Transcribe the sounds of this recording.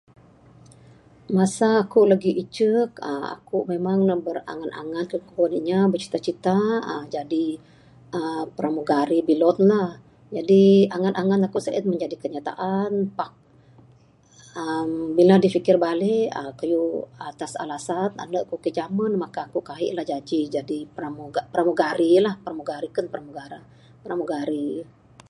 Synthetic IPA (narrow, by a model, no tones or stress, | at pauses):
masaːkuʔlaɡiʔit͡ʃək̚ə̰a̰kuʔmemaŋnəbəra̰ŋanʔa̰ŋankəkuaniɲabət͡ʃi̥t̪at͡ʃit̪aəd͡ʒadi | əpəɾamuɡaɾibilɔt̪̚lah | d͡ʒadiaŋanʔaŋanakuʔsəʔət̪̚məɲd͡ʒadikəɲat̪a̰ʔanpak̚ | əmbiladifikɪrbalɛəkajuat̪asa̰lasana̰nəʔkukid͡ʒamənmakaːkuʔkaɦḭʔlahd͡ʒad͡ʒid͡ʒadipɾamuɡapɾamuɡaɾilahpəɾamuɡaɾikənpəɾamuɡaɾa | pəɾamuɡaɾi